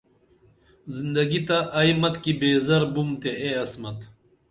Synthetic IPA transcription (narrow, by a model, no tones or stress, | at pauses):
zind̪ɐɡit̪ɐʔɐimɐt̪kibeːzɐɾbumt̪eeɐsmɐt̪